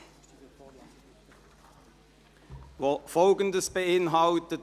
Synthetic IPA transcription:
fɔlɡənd̪əsbəɪnɦɑwt̪ət

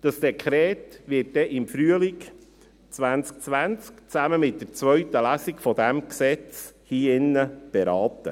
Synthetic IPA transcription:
d̥ɑsd̥ɛkʰχɾɛːtʋɪt̚dɛʔɪmfɾyəlik | t͡sʋænt͡sk̚t͡sʋænt͡skt͡sæməmɪt̚d̥̪ɛɾt͡sʋœɥt̪əlæsikfɔd̪æmksɛt͡shiːɪnːəb̥ɛɾɑːt̪ə̰

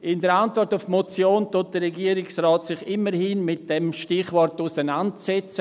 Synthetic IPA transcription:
ʔɪndəɾantvɔrtʊfmot͡sjoːntot̚d̥əɾɛɡiəɾɪksrɔːtsɪχɪməɾhinmɪt̚d̥ɛmʃtɪχvɔrtusənantt͡sɛt͡sə

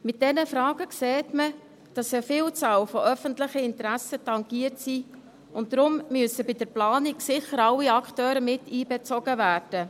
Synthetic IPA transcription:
mɪt̚d̥ɛnəfɾɑːɡəkseːtmə | d̥ɑsəfɪːlt͡sɑːlfɔʔœfəntlɪχəɪntɾæsətɑŋɡiəɾtsi | ʊnt̚ːɾʊmmyəsəbɪd̥əɾplɑːniɡsɪχəɾɑlːiɑkχtøːɾəmɪtiːbɛt͡sɔɡ̥əvæːrd̥ə

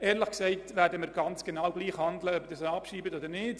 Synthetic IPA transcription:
ʔɛːɾlɪχksɛɪtvæːɾdəmɪɾɡɑnt͡sɡ̥enɑːwɡliːχhɑndləœp̚d̥ɑsɑpʃiːbətodəɾnɪːt

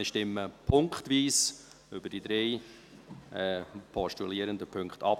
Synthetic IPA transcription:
əʃtɪmːəpʰʊŋkχt̪ʋiːs | ʏbədidɾeɪ | ʔɛpʰɔʃtuliəɾənd̪əpʰɵŋkχtɑp

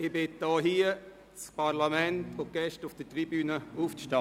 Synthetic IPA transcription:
ɪbɪt̚dɔːɦiə | t͡spaɾlamɛntoɡ̥ɛʃtʊfd̥ətribyːnəuːfʃtɑ

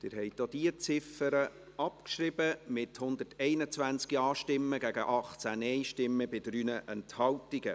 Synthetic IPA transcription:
d̥ɪɾɦɛjt̚d̥od̥iət͡sɪfəɾə | ɑpkʃrɪbəmɪthʊnd̪ərtɛɪnət͡sʋænt͡skiɑːʃtɪmːəɡæɡəʔɑχt͡sænɛɪʃtɪmːəbɪdɾyːnəʔɛnthɑltiɡə

